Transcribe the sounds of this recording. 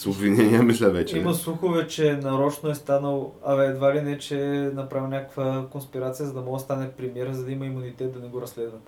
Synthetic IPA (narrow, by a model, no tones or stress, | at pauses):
sobvinɛnʲiəmislʲɛvɛt͡ʃimɐsuxovɛt͡ʃɛnɐɾɔt͡ʃnoɛst̪anəlˠɐɛɛd̪valinɛt͡ʃɛnɐpɾavʲinʲakə̥kvəkonspiɾat̪sijəzɐd̪ɐmɔɡəst̪anɛfpɾimjɛɾəzɐd̪ɐimɐimunit̪ɛt̪̚d̪ɐnɛɡoɾɐsːlɛd̪vɐt̪